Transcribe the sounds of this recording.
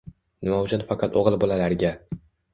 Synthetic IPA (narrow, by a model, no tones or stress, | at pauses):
nɪmawʊt͡ʃʰʊnfɑqʰɑt̪ʰoʁɨlˠbolalaɾɡʲa